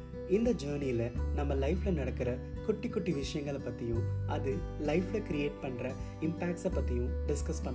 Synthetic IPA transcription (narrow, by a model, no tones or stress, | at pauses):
ɪnd̪ɐd͡ʒuːɾnijɪlɐnɐmːɐlɐɪfɪlɐnɐɽɐkːɪɾɐkʊʈːɪkːʊʈːiʋɪʂɐjɐŋɡɐɭɐpːɐt̪ːɪjʊ̃ʔɐðɯlɐɪflɐkɪɾɪeːʈ̚pɐɳːɾɐ | ɪmpaːk̚ʈsɐpːɐt̪ːɪjʊ̃ɖɪskɐspɐɳɖ